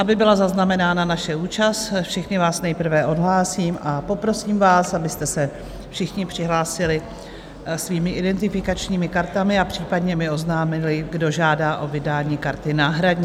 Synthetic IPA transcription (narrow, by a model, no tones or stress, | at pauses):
ʔabɪbɪlazaznamɛnaːnanaʃɛuːt͡ʃast̪fʃɪxnɪvaːsnɛjpr̩vɛʔo̞dɦlaːsiːmʔapo̞pɾo̞siːmvaːsabɪst̪ɛsɛ | fʃɪxɲɪpr̥ɪɦlaːsɪlɪ | sviːmɪʔɪdɛnt̪ɪfɪkat͡ʃɲiːmɪkaɾt̪amɪapr̥iːpadɲɛmɪo̞znaːmɪlɪɡdo̞ʒaːdaːʔo̞vɪdaːɲiːkaɾt̪ɪnaːɦɾadɲ